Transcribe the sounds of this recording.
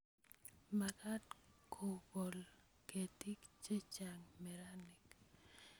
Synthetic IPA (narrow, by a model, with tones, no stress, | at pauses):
maka˦tkʰo˨bɔ˨l | ke˨ti˦kt͡ʃe˦t͡ʃa˨ŋmɛ˨ɾanɪ˨k